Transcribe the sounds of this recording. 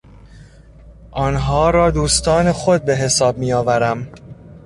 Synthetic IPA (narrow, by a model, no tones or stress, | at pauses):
ʔɒːnɦɒːɾɒːd̪uːst̪ɒːne̞xod̪̚be̞ɦe̞sɒːb̚miːjɒːvæɾæm